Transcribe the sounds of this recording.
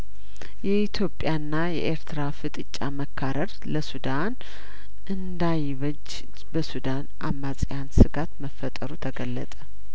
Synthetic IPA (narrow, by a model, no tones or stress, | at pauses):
jɛit̪ʰjo̞pʼjanːajɛ̰ʔeɾt̪ʰɾafɨt̪ʼɨt͡ʃʼːaməkʰːaɾəɾ | ləsud̪an | ʔɨnd̪ajɪβəd͡ʒː | bəsud̪anʔamːat͡sʼjansɨɡat̪məfːət̪ʼəɾut̪ʰəɡəlːət̪ʼə̥